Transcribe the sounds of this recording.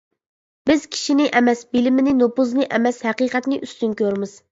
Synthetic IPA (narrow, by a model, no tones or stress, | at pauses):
bɪz̥kʲʰi̥ʃinɪʔɛmɛsbɪlɪmɪnɪnopuznɨʔɛmɛshɛqiːqɛt̪nɪʔyst̪ynkʲøɾmɪz̥